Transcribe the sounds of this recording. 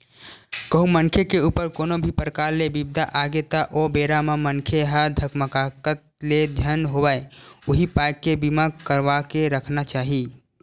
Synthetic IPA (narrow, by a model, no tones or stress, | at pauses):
kəɦũmənkʰekeupəɾkonobʱipɾəkaɾːebibd̪ʱaʔaɡet̪aʔobeɾamemənkʰeɦəd̪ʱəkməkakət̪̚led͡ʒʱənɦobəjuɦipajkːebimakəɾbakeɾəkʰnat͡ʃaɦi